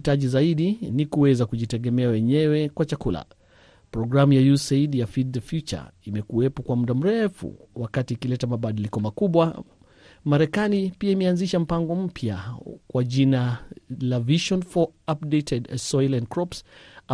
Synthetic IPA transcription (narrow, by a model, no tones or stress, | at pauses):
taʄizaiɗinikuwɛzakuʄitɛɡɛmɛawɛɲɛwɛkwat͡ʃakula̰ | pɾɔɡɾamujajuseidjafidðɛfjut͡ʃa̰imɛkuwɛpɔkwam̩ɗam̩ɾɛfṵwakatikilɛtamaɓaɗilikɔmakuɓwa | maɾɛkanipiaimɛanziʃam̩paŋɡɔm̩pʰjakwaʄinalaviʃɔnfɔap̚detɛdsɔjlɛndkɾɔps